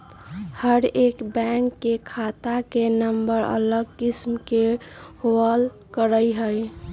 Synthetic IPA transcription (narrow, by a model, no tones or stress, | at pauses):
həɾekbɛ̃ŋkːekʰat̪akenəmbəɾə̰ləɡ̚kismkehoəl | kəɾəjɦəj